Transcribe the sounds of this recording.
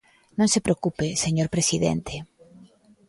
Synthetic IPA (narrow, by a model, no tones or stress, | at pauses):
nõŋsepɾeokupeseɲoɾpɾesiðḛnt̪ʰe